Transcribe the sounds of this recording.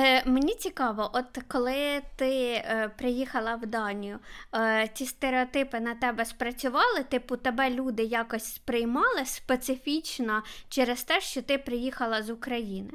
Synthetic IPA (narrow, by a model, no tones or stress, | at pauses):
menʲit͡sʲikɑʋɔʔɔt̪kɔlˠɪt̪ɪpɾɪjixɐlˠɐwd̪ɑnʲijʊ | t͡sʲist̪eɾeɔt̪ɪpɪnɐt̪ɛbɛspɾɐt͡sʲʊʋɑlˠɪt̪ɪpʊt̪ɛbɛlʲud̪ɪjɑkɔsʲspɾɪjmɑlˠɪspet̪sɪfʲit͡ʃnɔt͡ʃɛɾest̪ɛʃt͡ʃɔt̪ɪpɾɪjixɐlˠɐzʊkɾɐjinɪ